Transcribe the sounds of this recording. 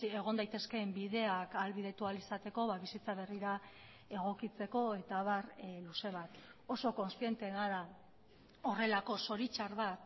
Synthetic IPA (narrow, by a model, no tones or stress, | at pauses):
e̞ɣ̞ond̪ajt̪e̞ske̞mbiðe̞akalβið̞e̞t̪ualisat̪e̞ko̞βaβisit͡saβ̞e̞riɾa | e̞ɣ̞o̞kit͡se̞ko̞e̞t̪aβarluse̞β̞at̪o̞so̞ko̞nst̪ije̞nt̪e̞ɣaɾa | o̞re̞lako̞so̞ɾit͡ʃaɾβat̪